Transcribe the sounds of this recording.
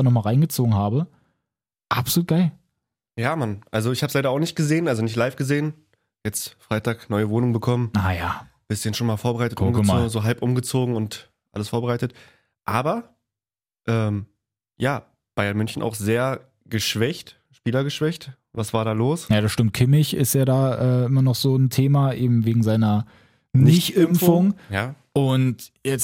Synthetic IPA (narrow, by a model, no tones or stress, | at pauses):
aːnɔχmaːlʁaɪnɡət͡soːɡŋ̩ɦaːbə | ʔapsoluːt̚ɡ̥aɪl | jaːmanʔalzoɪçhaːbəslaɪɾɐaʊnɪçt̚ɡ̥əzeːənʔalzonɪçtlaɪfɡ̥əzeːən | jɛt͡stfʁ̥aɪtaːknɔʏəvoːnʊŋbəkʰɔmənajaː | b̥ɪstçənʃoːnmaːlfoːɐbəʁaɪtətʔʊmŋɡzoːɦalpʔʊmɡət͡soːɡŋ̩ʊnt | ʔa̰ləsfoːɐbəʁaɪtət | ʔaːbɐ | ʔɛːm | jaː | b̥aɪɐnmʏnçn̩ʔa̰ʊxz̥eːɐ | ɡ̥əʃv̥ɛçt | ʃpiːlɐɡəʃv̥ɛçt | vasv̥aːɐdaːloːsjaːɾasʃtɪmt̚kʰɪmɪçɪ̰stjaːɾaːʔɛːʔɪmɐnɔχz̥oːntʰeːmaʔeːbm̩veːɡŋ̩zaɪnɐ | nɪçɪmfʊŋjaːʔʊntjɛt͡s